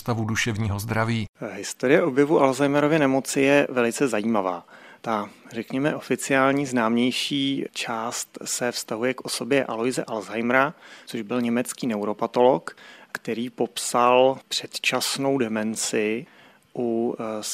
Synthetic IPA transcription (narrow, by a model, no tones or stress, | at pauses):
st̪avuduʃɛvɲiːɦozd̪ɾaviːɦɪst̪o̞ɾɪjɛʔo̞bjɛvuʔalzajmɛɾo̞vɪɛnɛmo̞t͡sɪjɛvɛlɪt͡sɛzajiːmavaːt̪arɛkɲɛmɛʔo̞fɪt͡sɪaːlɲiːznaːmɲɛjʃiːt͡ʃaːst̪sɛfst̪aɦujɛkʔo̞so̞bjɛʔalojzɛʔalzajmɾat͡soʒbɪlɲɛmɛt͡skiːnɛwɾo̞pat̪o̞lo̞kkt̪ɛɾiːpo̞psalpr̝̥ɛt̪t͡ʃasno̞wdɛmɛnt͡sɪ | ʔu